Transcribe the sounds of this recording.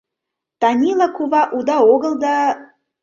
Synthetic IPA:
t̪ɑnʲilˠɑkuβɑʔud̪ɑoɣəlˠd̪ɑ

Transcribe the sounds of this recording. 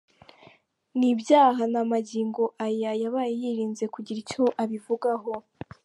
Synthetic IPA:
nibjaːɦanamaɟiːŋɡo̞ʔajajaβaːjejiːɾiːnze̞kuɟiɾico̞ʔaβivuɡaɦo̞

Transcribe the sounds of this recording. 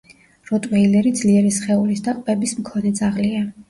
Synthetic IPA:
ɾɔt̪ʼwvɛilɛɾid̪z̥liɛɾɛsχɛulisd̪aqʼbɛbismkʰɔnɛd̪z̥aʁlia

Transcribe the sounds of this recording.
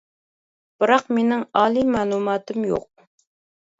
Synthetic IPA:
b̥ɨɾɑqmenɪŋɑːlˠimɑlˠumɑːt̪ɨmjo̰q̚

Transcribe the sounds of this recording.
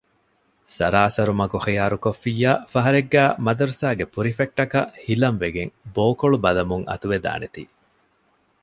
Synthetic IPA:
sɐɾaːsɐɾumɐkuχijaːɾukofːiːjːaːfɐɦɐɾeɡːæːmɐd̪ɐɾusaːɡepuɾifeʈ̚ʈːɐkɐʔhilɐɱʋeɡeŋboːkoɭubɐlɐmuŋɐ̰t̪uʋed̪a̰ːnet̪iː

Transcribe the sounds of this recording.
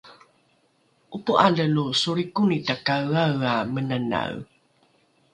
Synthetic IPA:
ʔupuʔaləlusuɾikunitakawawamənana̰w

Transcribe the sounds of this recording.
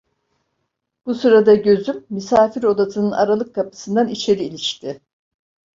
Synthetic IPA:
b̥usɯɾad̪aɟø̞zymːysaːfiɾo̞d̪at̪ʰɯnɯna̰ɾalˠɯkʰːapɯ̥sɯnd̪anit͡ʃʰe̞ɾiːlʲiʃt̪ʰɪ

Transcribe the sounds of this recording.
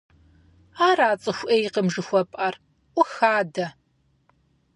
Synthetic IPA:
aːraːt͡sʼɨxʷʔeːjiqəmʒɨxʷɔpʼɐr | ʔʷʊxaːdɐ

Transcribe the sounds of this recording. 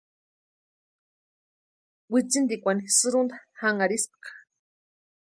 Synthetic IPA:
wit͡sind̪ikʷanisɨɾund̪ahaŋaɾisp̚qḁ

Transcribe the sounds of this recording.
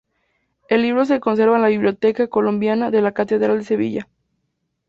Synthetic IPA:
e̞lːiβ̞ɾo̞s̬e̞ko̞ns̬e̞ɾβaenlaβiβljot̪e̞kako̞lo̞mbjanaðe̞lakat̪e̞ðɾald̪ese̞βḭʝa

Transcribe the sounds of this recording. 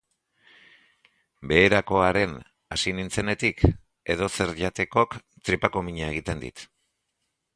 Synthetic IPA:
be̞ːɾako̞aɾe̞n | asinint͡se̞ne̞t̪ik | e̞ðo̞se̞ɾʎat̪e̞ko̞k | t̪ɾipako̞miɲae̞ɣit̪e̞nd̪ḭt̪

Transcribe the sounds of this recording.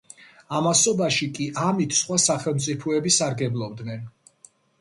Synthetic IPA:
amasɔbaʃikʼiʔamit̪ʰsχwasaχɛlˠmt̪sʼipʰɔɛbisaɾɡɛblˠɔb̚d̪nɛn

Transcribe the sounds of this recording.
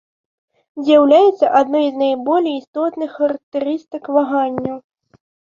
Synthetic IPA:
zʲjawlʲajɛt̪sːɐʔad̪nɔjznajbɔlʲɛjist̪ɔt̪nɨxːɐɾɐk̚t̪ɛɾɨst̪ɨkvaɣanʲːɐw

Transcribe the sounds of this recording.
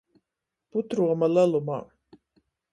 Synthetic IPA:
put̪ɾuamalaluma̰

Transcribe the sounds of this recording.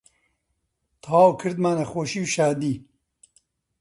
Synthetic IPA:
t̪ʰaːwkʰɨɾd̪maːnɐxoːʃiːwʃaːd̪iː

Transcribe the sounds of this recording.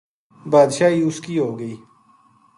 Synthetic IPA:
baːd̪ʃaːɦiːʊskiːɦoːɡəiː

